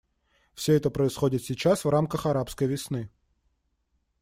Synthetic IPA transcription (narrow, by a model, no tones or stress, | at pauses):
fsʲɵɛt̪əpɾəɪsxodʲɪt̪sʲɪt͡ɕasvramkəxɐɾapskəjvʲɪsnɨ